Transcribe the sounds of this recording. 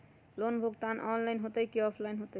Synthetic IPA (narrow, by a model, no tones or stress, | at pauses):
lonbʱuɡt̪anʔɔnlajnɦot̪əjkiɔpʰlajnɦot̪e